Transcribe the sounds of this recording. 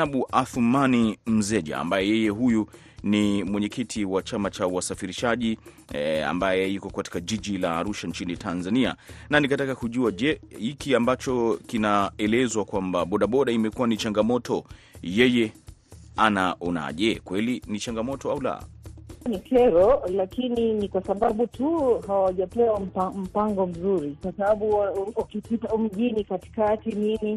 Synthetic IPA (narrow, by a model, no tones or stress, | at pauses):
aɓuʔaθumanim̩zɛʄa̰ːmbajɛjɛjɛɦuju | nimwɛɲɛkitʰiwat͡ʃamat͡ʃauwasafiɾiʃaʄi | a̰mbajɛikɔkati̥kaʄiʄilaːɾuʃant͡ʃinitʰanzania̰nanikatakakuʄuaʄɛhikiambat͡ʃɔkinaɛlɛzwakwambaɓɔɗaɓɔɗaimɛkuanit͡ʃaŋɡamɔtʰɔjɛjɛ | anaʔɔna̰ʄɛkwɛlinit͡ʃaŋɡamɔtɔaula̰nikʰɛɾɔlakininikwasaɓaɓutuɦawaʄapɛwam̩pam̩paŋɡɔm̩zuɾikwasaɓaɓuaukipitaum̩ɡinikati̥katinimi